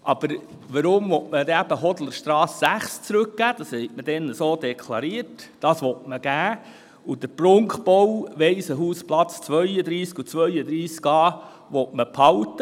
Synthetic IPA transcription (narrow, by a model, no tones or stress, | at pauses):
ʔɑb̥əɾ | ʋəɾʊmvɔtməd̪ɛæbəɦɔdl̩əɾʃtɾɑːsːæχst͡sɾɵk̚ɡ̥æːd̥ɑshɛɪtməd̥ɛnəsoːd̪ɛkʰlˠɑɾiətd̥ɑsʋɔtməɡ̥æː | ud̥əɾpɾʊŋkχpɔwʋeɪsəɦuːsplɑt͡st͡sʋœʏəd̪ɾiːskut͡sʋœʏəd̪ɾiːskɑː | ʋɔtməpʰhɑwtə